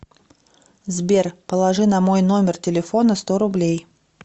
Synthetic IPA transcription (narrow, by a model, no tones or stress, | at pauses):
zbʲerpəlˠɐʐɨnɐmo̞jno̞mʲɪrtʲɪlʲɪfo̞nəst̪oɾʊblʲej